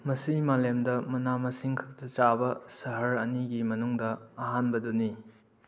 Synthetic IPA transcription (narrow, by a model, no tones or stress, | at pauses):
mɐsimalemdɐmɐnamɐsiŋkʰɐ̥k̚tɐt͡ʃabɐsɐɦɐɾɐniɡimɐnuŋdɐːɦanbɐdoni